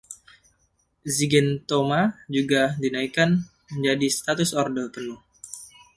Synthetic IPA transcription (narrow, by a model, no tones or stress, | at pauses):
ziɡɛnt̪omad͡ʒuɡadinaikan | məɲd͡ʒadist̪at̪ʊsɔrdəp̪ənʊh